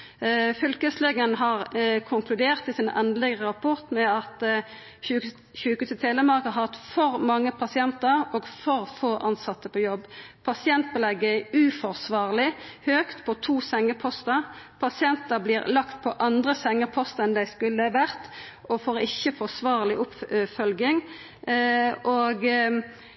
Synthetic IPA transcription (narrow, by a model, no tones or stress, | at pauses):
fʏlkəslɛɡənɦɑʁkʰʊŋkʰlʉd̪eːʁt̪ɪsɪnʔɛnd̪lɪɡəʁəʁɑpʰʊʁt̪mɛɑt̪ː | çʉːkʉːsət̪ʰeːləmɑʁkɑɦɑt̪fɔɾmɑŋːəpʰɑsɪɛnt̪əɾoːɡfɔʁfoːʔɑnsɑt̪ːəpʰɔjɔbːpʰɑsɪɛnt̪̚bəlɛɡːəʉːfɔʁsʋɑːʁlɪhøːkt̪pʰɔt̪ʰuːsɛŋːəpʰɔst̪əpʰɑsɪɛnt̪əbliːɾlɑkt̪̚pʰɔʔɑnd̪ʁəsɛŋːəpʰɔst̪əɛnd̪æɪskʉlːəʋæʁt̪ʔɔfoːɾɪ̰çːəfɔsʋɑːʁlɪʔʊpfœlɡɪŋ | oːɡ